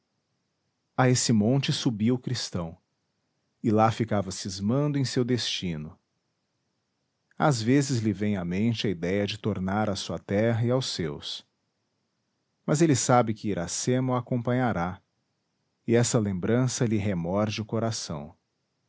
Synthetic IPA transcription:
aesɪmõnt͡ʃɪsubiwʊkɾist̪ɐ̃w̃ | ɪlafikavɐsɪzmɐ̃nd̪ʊẽj̃sewd̪est͡ʃĩnʊ | a̰zvezɪzlɪvẽj̃amẽnt͡ʃɪɐid̪ɛjɐd͡ʒɪt̪oɾnaɾasuɐt̪ɛɦɐɪawsews | mɐzelɪsabɪkɪiɾa̰semʊakõpɐ̃ɲaɾa | ɪɛsɐlẽmbɾɐ̃sɐlɪɦemɔɾd͡ʒɪʊkoɾasɐ̰̃w̃

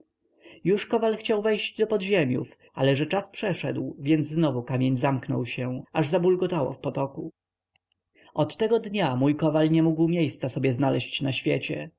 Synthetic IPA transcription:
juʂkɔvalxt͡ɕawvɛjʑd͡ʑd̪ɔpɔd̪ʑemʲjṵfʔa̰lɛʐɛt͡ʂaspʂɛʂɛ̰d̪wvʲjɛnd̪zznɔvukamʲjeɲzamknɔ̰wɕɛaʐzabulɡɔt̪awɔ̰fpɔt̪ɔku | ʔɔt̪ːɛɡɔd̪ɲamujkɔvalɲɛmuɡwmʲjejst̪sasɔbʲjɛznalɛɕt͡ɕnaɕfʲjet͡ɕɛ

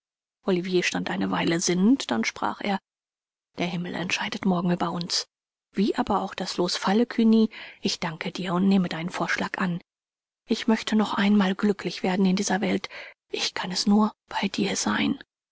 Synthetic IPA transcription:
ʔɔlivjeːʃtantʔaɪnəvaɪləzɪnəntd̥anʃpʁ̥a̰ːχḛːɐ | d̥eːɐhɪml̩ʔɛ̰ntʃaɪdətmɔɐɡŋ̩yːbɐʊns | v̥iːʔaːbɐaʊxd̥asloːsfaləkʰyniːʔɪçd̥aŋkʰədiːɐʊntneːmədaɪnənfoːɐʃlaːkʔan | ʔɪçmœçtʰənɔχʔaɪnmaːlɡlʏkʰlɪçv̥eːɐdn̩ɪndiːzɐvɛltʔɪçkʰanɛsnuːɐb̥aɪdiːɐz̥aɪn

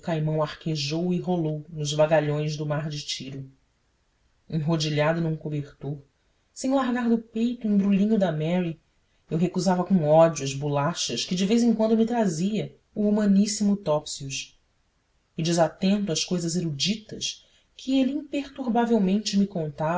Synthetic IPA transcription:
kajmɐ̃w̃aχkeʒowɪɦolownʊzvaɡaʎõj̃zd̪ʊmaɾd͡ʒɪt͡ʃiɾʊ | ẽŋɦod͡ʒiʎad̪ʊnũkobeɾt̪oɾ | sẽj̃laɾɡaɾd̪ʊpejt̪ʊẽj̃bɾulĩɲʊd̪ɐmɛɾi | ewɦekuzavɐkõɔd͡ʒuɐzbulaʃɐʃkɪd͡ʒɪvejzẽŋkwɐ̃nd̪ʊmɪt̪ɾaziɐ | uumɐ̃nisimʊt̪ɔpsiuʃ | ɪd͡ʒɪzat̪ẽnt̪ʊaʃkojzɐzeɾud͡ʒit̪ɐʃ | kʰɪelɪĩŋpeɾt̪uɾbavewmẽnt͡ʃɪmikõnt̪a

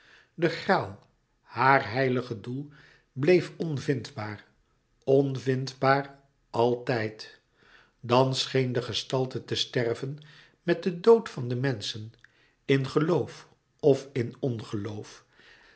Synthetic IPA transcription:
dəχraːlˠ | haːrɦɛjləχədulˠ | blejfɔnvɪndbaːr | ɔnvɪndbaːr | ʔɑlˠtɛjt | dɑnsχejndəχəstɑlˠtətəstɛrvən | mɛt̚dədowtfɑndəmɛnsən | ɪnχəlowf | ɔfɪnɔnχəlowf

